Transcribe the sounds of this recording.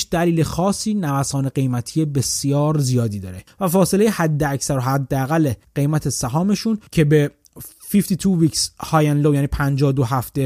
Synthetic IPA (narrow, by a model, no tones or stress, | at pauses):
ʃd̪̥æliːlexɒːsiːnævæsɒːneɡe̞jmæt̪ʰijebe̞sjɒːɾzijɒːd̪iːd̪ɒ̰ːɾevæfɒːse̞lejehæd̪ːeæcsæɾoɦæd̪ːeæɣælːeɢ̥e̞jmæt̪ʰesæɦɒːme̞ʃuncʰe̞be̞ | fift̪it̪ʰuviːkshɒːjænlojæːniːpʰænd͡ʒɒːd̪oɦæft̪e